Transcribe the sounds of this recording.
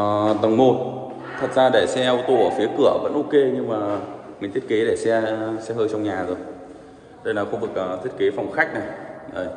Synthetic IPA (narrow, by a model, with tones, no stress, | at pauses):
t̪ə˨˩ŋmo˨˩t̚ | t̪ʰə˨˩t̚zaː˧ɗe˧˩sɛ˧ʔwt̪o˧˩əː˧˩fi˨˦əkɨ˧˩əvə̰˧˥nʔo˧ke˧ɲɨ˧ŋmaː˨˩mi̟˨˩t̪ʰi˦˥ə˥ke˨˦ɗḛ˧˩sɛ˧sɛ˧həː˧jt͡ɕɔ˧wŋ͡mɲaː˨˩zo˨˩j | ɗə˧jla˨˩xo˧vk̚ʔt̪ʰi˦˥ət̚ke˨˦fa˨˩wŋ͡mxa˦˥jk̚na˨˩jʔəː˧˨˩j